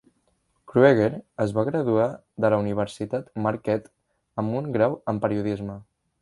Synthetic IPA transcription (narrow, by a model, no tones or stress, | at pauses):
kɾueɣeɾəzβaɣɾəðua | ðələuniβ̞əɾsit̪at̪maɾkɛt̪ | əmuŋɡɾawəmpəɾiuðizmə